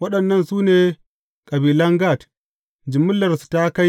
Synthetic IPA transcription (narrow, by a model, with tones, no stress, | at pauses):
wɐ˦ɗɐ˨nːɐ˦nsuː˦neː˨ | kʼɐ˨biː˨lɐ˦ŋɡa˦˨t | d͡ʒɪ˨mʊ˦lːɐ˨rsu̥˨ta˦ka˦j